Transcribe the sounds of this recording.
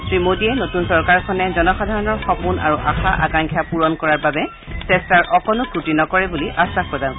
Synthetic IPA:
tɹimodiɛnotunsɔɹkaɹkʰɔnɛzɔnɔxadʱaɹɔnɔɹxɔpuna̰ɹuʔa̰xaʔa̰kaŋkʰjapuɹɔnkɔɹaɹbabɛ | sɛstaɹʔɔkɔnʊputinɔkɔɹɛbuliʔasaxpɔzãʊ̃

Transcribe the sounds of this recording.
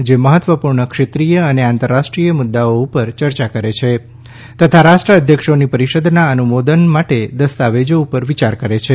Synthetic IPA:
d͡ʒeməɦət̪ʋəpuɾɳəkʃet̪ɾijəəneãnt̪əɾːaʃʈɾijəmud̪ːaoupəɾt͡ʃəɾt͡ʃakəɾet͡ʃʰe | t̪ət̪ʰaɾaʃʈɾəəd̪ʱjəkʂonipəɾiʃəd̪ʱnaənumod̪ənmaʈed̪əst̪aʋed͡ʒoupəɾʋit͡ʃaɾkəɾet͡ʃʰe

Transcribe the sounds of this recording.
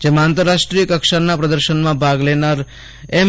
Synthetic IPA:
d͡ʒemaãːnt̪əɾːaʃʈɾijəkəkʃanapɾəd̪əɾʃənmãbʱaɡlenaɾ | em

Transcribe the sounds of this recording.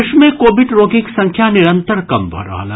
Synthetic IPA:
ʃmẽkoːbɪɖɾoːkiksɐ̃ŋkʰjanɪɾə̃nt̪əɾkɐmbʱɐ̰ɾa̰ːla

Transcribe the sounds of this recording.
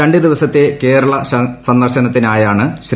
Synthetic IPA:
eɳɖɨd̪iʋɐsɐt̪ːe̞ke̞ːɾɐɭɐsɐnd̪ɐrɕɐnɐt̪ːinaːjaːɳɨɕɾ

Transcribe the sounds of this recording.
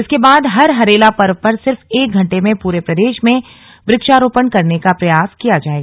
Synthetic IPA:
ɪskebaːd̪ɦɐɾɦɐɾeːlapɐɾʋpɐɾsɪɾfeːk̚ɡʱɐ̃ɳʈemẽpuːɾepɾɐd̪eːʃmẽ | bɾɪkʃaːɾoːpəɳkɐɾnekapɾɐjaːskijad͡ʒaːeɡaː

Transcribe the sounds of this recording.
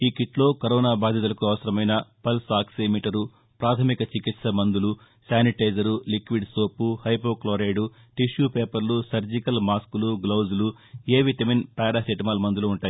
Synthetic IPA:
iːkiʈlo̞ːkɐɾɔːnaːbaːd̪ʱjɐt̪̬ulɐkuɐʋɐsɐɾɐmɐjnɐpɐlsaːksemiːʈɐɾu | pɾaːt̪ʰɐmikɐt͡ʃikit̪sɐmɐnd̪ulu | saːniʈɐjd͡ʒɐɾulikʋiɖsoːpuhɐjpoːkloːɾɐjɖu | ʈiʃjupeːpɐɾlusɐɾd͡ʒikɐlmaːskuluɡlɐwd͡ʒulu | eːʋit̪ɐminpaːɾasiʈimaːlmɐnd̪uluːɳʈaːji

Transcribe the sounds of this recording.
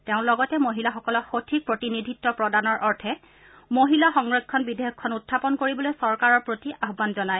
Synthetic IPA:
teʊ̃lɔɡɔtɛmoɦilaxɔkɔlɔxotʰik̚pɹotinidʱitːɔpɹɔdanɔɹʔɔɹtʰɛ | moɦilaxɔŋɹɔskʰɔnbideɔkkʰːɔnutʰːapɔnkoɹibɔlojsɔɹkaɹɔɹpɹotiʔaɦɔbanzɔnaj

